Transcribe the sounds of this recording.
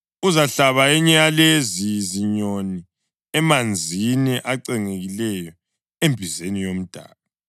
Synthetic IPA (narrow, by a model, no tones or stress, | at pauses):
uzaɬaβaɛɲɛjaleziziɲoni | ɛmand͡zʱinɛʔaǀɛŋeɣilɛjɔ | embʱizenijom̩d̥ʱa̰ːβa